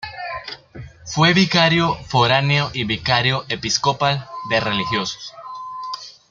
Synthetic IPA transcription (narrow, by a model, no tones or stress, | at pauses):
fweβikaɾjofoɾaneoʔiβikaɾjoʔepiskopald̪e̞relixjoso̥s